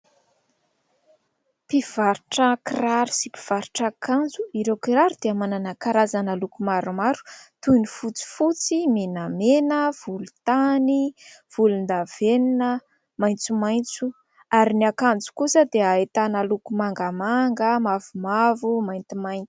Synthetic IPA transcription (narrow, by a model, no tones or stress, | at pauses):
piv̥aɾuʈ͡ʂəkiraɾu̥sipi̥v̥aɾuʈ͡ʂakand͡zuiɾewkiɾaɾud̪̥eamananakaɾazanalukumaɾumaɾu̥t̪unifut͡si̥fut͡simenamenəv̥ulut̪aniv̥ulund̪av̥eninə | majnt͡sumajnt͡su | aɾiniakand͡zu̥kusəd̪eaet̪analukumaŋɡamaŋɡəmavumavumajnt̪imajnt̪i̥